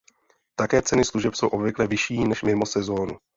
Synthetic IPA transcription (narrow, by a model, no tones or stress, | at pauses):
t̪akɛːt͡sɛnɪsluʒɛpsowʔo̞bvɪklɛvɪʃiːnɛʃmɪmo̞sɛzo̞ːnu